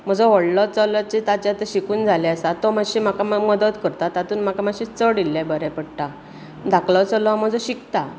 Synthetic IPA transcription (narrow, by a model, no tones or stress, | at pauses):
m̤əd͡zɔʋəɽlɔt͡səlɔt͡ɕet̪at͡ɕat̪əɕikuːnd͡zʱalɛəsat̪ɔmaɕim̤akamməd̪ət̪kəɾt̪at̪at̪uːnm̤akamaɕit͡səɽilːabəɾɛpəɽʈ̪a | d̪aklɔt͡səlɔam̤əd͡zɔɕikt̪a